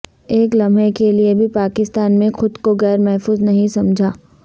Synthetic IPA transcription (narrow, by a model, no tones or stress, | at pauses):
eːklɐmẽkeliebʱipaːkɪst̪aːnmẽxʊd̪koɣɛːɾmɛɦfuːznɐɦĩsɐmd͡ʒʱaː